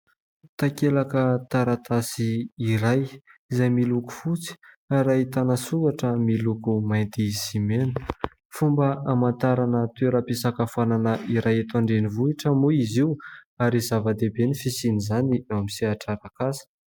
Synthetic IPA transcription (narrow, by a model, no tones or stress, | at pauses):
t̪akelakət̪aɾat̪asiːɾajizajmiluku̥fut͡si̥ | aɾait̪anasuaʈ͡ʂəmilukumajnt̪isimenə̥ | fumbəamant̪aɾanət̪ueɾəpisakafananəʔiɾajet̪aɳɖ͡ʐenivuiʈ͡ʂəmuiziwaɾizavad̪ebenifisinizaniamisiaʈ͡ʂaɾakasə̥